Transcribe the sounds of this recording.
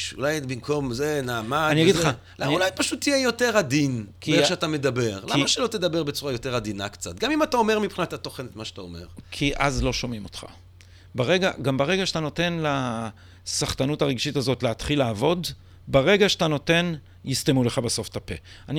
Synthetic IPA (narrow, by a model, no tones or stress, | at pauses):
ʃṵlajbimkʰo̞mzenaːmaaniaɡidla | laulajpaʃut̪ːijejo̞te̞ʁad̪inkieʃeat̪amed̪abe̞ʁlaimaʃelo̞t̪ed̪abeʁbet͡suʁajo̞t̪e̞ʁad̪inakt͡sat̪ɡamimataome̞ʁmipχinat̪at̪oχenet̪maʃtao̰mḛʁkʰiʔazlo̞ʃo̞mimo̞tχa̰ | baʁeɡaɡambaʁeɡaʃet̪ano̞te̞nla | saχtanutaʁeɡʃitazo̞tleatχilaːvo̞d | baʁe̞ɡaʃeatano̞te̞n | jistemule̞χabeso̞ftape̞̰ani